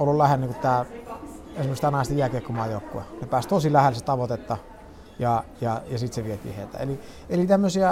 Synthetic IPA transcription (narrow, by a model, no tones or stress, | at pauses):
olːullæhelniŋkutt̪æː | eˑsmøst̪ænɑˑist̪ɑjæˑkeːˑkːomɑˑːjoˑukːuenepæːst̪osilæhelset̪ɑʋot̪et̪ːɑ | jɑjɑjɑsit̪seʋiet̪ḭːhḛˑit̪æ̰ḛli | elit̪æmːøsiæ